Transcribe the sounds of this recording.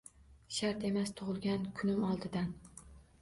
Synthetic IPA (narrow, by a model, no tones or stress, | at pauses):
ʃaɾt̪e̞mast̪ʰʊʁɨlˠɡʲankʰʊnɪmɒlˠd̪ɪd̪an